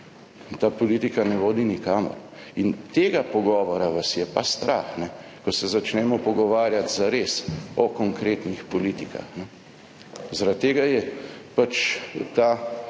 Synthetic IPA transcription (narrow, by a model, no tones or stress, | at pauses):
nt̪aːpɔliːt̪ikanɛʋoːd̪inikaːmɔ̰ɾ | int̪eːɡapɔɡɔːʋɔɾaʋasjɛpast̪ɾʔa̰xnɛ | kɔsɛzat͡ʃnɛːmɔpɔɡɔʋaːɾjat̪zaɾesɔkɔŋkɾet̪nixpɔlit̪ika̰xnɛ | zaɾat̪̚t̪ːeːɡajɛpat͡ʃt̪aː